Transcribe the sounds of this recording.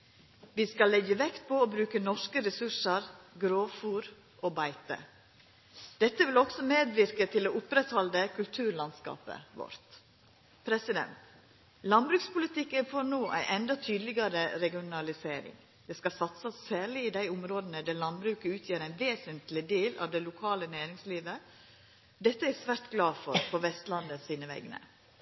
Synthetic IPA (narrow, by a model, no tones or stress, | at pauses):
ʋiːskɑlːɛɡəʋɛkt̪̚pʰɔoːbɾʉːkənɔʂkəɾɛsʉʂəɾɡɾoːfuːɾ | ʔoːbæɪt̪ə̰ | d̪̥ɛt̪ːəʋɪlɔksɔmeːd̪ʋɪɾkət̪ʰɪloːʊpɾɛt̪hɑld̪əkʰʉlt̪ʰʉːɾɭɑnskɑ̰ːpə̰ʋɔ̰ɾt̪ | pʰɾɛsɪd̪ɛ̰nt̪ | lɑnbɾʉːkspʊlɪt̪ɪkːənfɔɾnoːʔæ̰ɪʔɛnd̪ɑt̪ʰyːd̪lɪɡɑɾəɾɛɡɪʊnɑlɪseːɾɪ̰ŋ | d̪̥ɛskɑsɑt̪səsːæːɾɭɪɪd̪æɪʊmɾoːd̪ənəd̪æɾlɑnbɾʉːkəʉːt̪ʰjiːɾæɪnʋeːsənt̪lɪd̪eːlɑ̰ʋd̪ɛlʊkʰɑːlənæːɾɪŋsliːʋə | d̪ɛt̪ːəɛsʋæɾt̪ɡlɑːfɔɾpʰɔʋɛst̪lɑnd̪əsiːnəʋɛ̰ɡnə̰